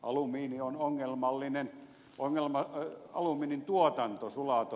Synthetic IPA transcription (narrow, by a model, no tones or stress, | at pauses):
ʔɑ̰lumiːnionoŋːelmɑlːinen | oŋːelmɑɑ̰lumiːnint̪uot̪ɑnt̪osulɑt̪o